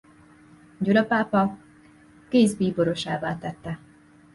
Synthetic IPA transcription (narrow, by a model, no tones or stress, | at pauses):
ɟulɒpaːpɒ | keːzbiːbo̞ɾo̞ʃaːvaːt̪ɛt̪ːɛ